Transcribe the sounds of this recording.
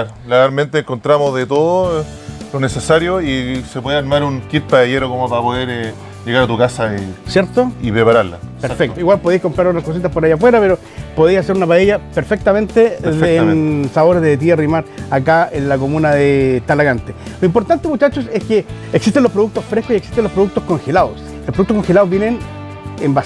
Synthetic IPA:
aɾ | laɣaɾment̪eːŋkont̪ɾamozðet̪oðo | lonesesaɾjoisepweðeaɾmaɾuŋkit̪̚paeʝeɾokomopaɾapoðeɾ | ʝeɣaɾat̪ukasaisjeɾt̪oipɾepaɾaɾla̰speɾfek̚t̪oiɣwalpo̞ðejsko̞mpɾaɾot̪ɾahko̞s̬it̪apoɾajafweɾape̞ɾo | po̞ðejsaseɾunapaeʎape̞ɾfe̞k̚t̪ament̪eːnsaβo̞ɾezðet̪̬iarimaɾakaenlako̞munaðet̪alaɣant̪eloimpoɾt̪ant̪eemut͡ʃat͡ʃoseskeeksist̪elo̞pɾoukt̪osfɾehkosieksi̥t̪enlopɾukt̪osko̞ŋxelaðos | lopːoukt̪okoŋxelaðovbjenen | emba

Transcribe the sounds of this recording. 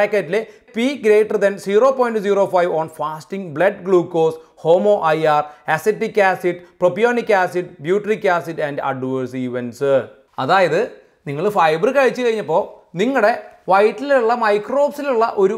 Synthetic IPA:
ekːɐtːile | piːɡɾeːʈːɐrd̪ɐnsiːro̞ːpoːjinɖɨsiːro̞ːfɐjʋoːɳfaːstiŋɡbɭɐɖɡɭuːkːoːsho̞ːmo̞ːʔɐjaːrɐsetːikʲːaːsiʈːpropijoːnikʲːaːsiʈːbjuːʈɐrikʲːaːsiʈːɐnɖɐ̰ɖʋɐrsiʋensɨ | ɐðaːjɐðɨ | niŋːɐɭfɐjbɐrɨkɐɻit͡ɕːɨkɐɻiɲːɐpːo̞ː | niŋːɐɽe̞ʋɐjʈːiluɭːɐmɐjkro̞ːbsiluɭːɐʔo̞ɾu

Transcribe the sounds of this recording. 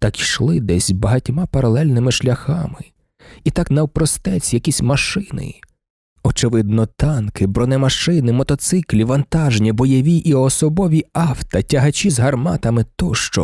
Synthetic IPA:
t̪ɑkiʃlˠɪd̪ɛsʲbɐɦɐtʲmapɐɾɐlˠɛlʲnɪmɪʃlʲɐxɑmɪ | it̪ɑknɐwpɾɔst̪ɛt͡sʲjɐkʲisʲmɐʃɪnɪ̰ | ɔt͡ʃɪʋɪd̪̚nɔt̪ɑnkɪbɾɔnɛmɐʃɪnɪmɔt̪ɔt̪sɪklʲiʋɐnt̪ɑʒnʲibɔjɔʋʲiʔiɔsɔbɔʋʲiɑwt̪ɐtʲɐɦɐt͡ʃʲizɦɐrmɑ̰t̪ɐmɪt̪ɔʃt͡ʃɔ̰

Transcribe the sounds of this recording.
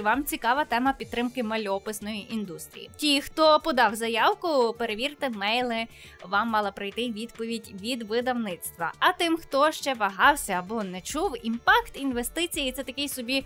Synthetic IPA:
ʋɑmt͡sʲikɑʋɐt̪ɛmɐpʲid̪t̪ːɾɪmkɪmɐlʲɔpɪsnɔjiʔind̪ust̪ɾʲḭjḭtʲijxt̪ɔpɔd̪ɑwzɐjɑwkʊpeɾeʋʲirt̪ɪmɛjlˠɪ | ʋɑmːɑlˠɐpɾɐjt̪ɪʋʲid̪pɔʋʲidʲʋʲid̪ʋɪd̪ɐwnɪt̪st̪ʋɐ̰ɐt̪ɪmxt̪ɔʃt͡ʃɛʋɐɦɑwsʲɐːbɔnɛt͡ʃuwimpɑkt̪inʋe̞st̪ɪt͡sʲijit̪sɛt̪ɐkɪjsɔbʲi

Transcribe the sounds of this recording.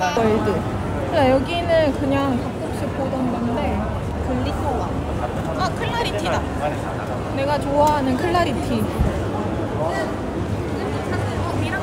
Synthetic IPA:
ʌjde | ɯajʌɡinɯnkɯɲaŋkap̚k͈ok̚s͈ɯpʰodʌndande̞ | kɯɭːitʰowa | akʰɯɭːaɾiida | ne̞ɡat͡ɕoaɦanɯnkʰɯɭːaɾitʰi

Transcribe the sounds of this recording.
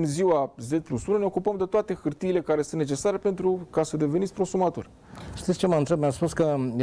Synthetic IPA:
ɨnziwazet͡ʃplusunəne̞o̞kupəmd̪e̞t̪oat̪e̞xɨrt̪iːle̞kaɾesunne̞t͡ʃesaɾepe̞nt̪ɾukasəd̪e̞venit̪ʲpɾo̞sumat̪o̰rʲ | ʃt̪it̪sʲt͡ʃe̞maɨnt̪ɾep̚measpuskəj

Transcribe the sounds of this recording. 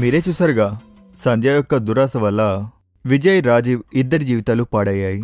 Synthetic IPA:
miɾeːt͡ʃusɐɾɡa | sɐ̃nd͡ʒ̪jaːjɔkːɐd̪uɾaːsɐʋɐlːɐ | ʋid͡ʒɐjɾaːd͡ʒiːʋid̪ːɐɾd͡ʒiːʋit̪aːlupaːɽɐjaːji

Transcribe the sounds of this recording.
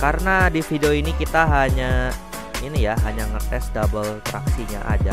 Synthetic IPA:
kaɾənadifidioinikit̪aɦaɲa | inijaɦaɲaŋərt̪ɛsdabəlt̪ɾa̰ksiɲa̰ʔa̰d͡ʒa

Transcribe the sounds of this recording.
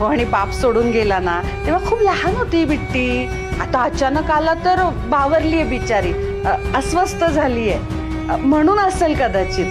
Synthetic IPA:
oaɽ̃ibapsoɽuːnɡelana | t̪iʋ̤akʰuːplaɦanɦot̪ibiʈːiː | at̪aət͡ɕanəkalat̪əɾ | baʋəɾliːjɛʋit͡ɕaɾiː | əsʋəst̪əd͡zʱaliːjɛ | m̤əɽ̃uːnəselkəd̪at͡ɕiː

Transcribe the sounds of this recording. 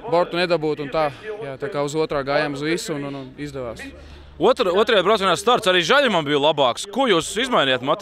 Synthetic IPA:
bɔɾt̪uned̪abuːt̪unt̪aːjaːt̪aːkaːuzuɔt̪ɾaːɡaːjaːmuzʋisuunununizd̪ɛʋaːs | uɔt̪ɾuɔt̪ɾajabɾat̪ʲanʲaːst̪aɾt̪saɾiːʒaʎʲɾmanbijlˠabɑːkskujuːsizmajnʲijaːt̪mat̪

